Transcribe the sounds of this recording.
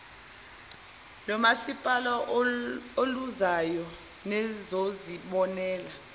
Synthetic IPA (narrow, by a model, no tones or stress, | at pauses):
lɔmasipʼalɔ | oluzajɔ | nɛzoziɓɔnɛːla